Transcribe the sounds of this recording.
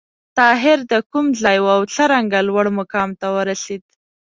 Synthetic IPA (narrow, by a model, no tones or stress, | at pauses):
t̪ɑɦɪɾd̪əkumɮɑjwawɬəɾaŋɡalwəɽmʊkɑmt̪awəɾased̪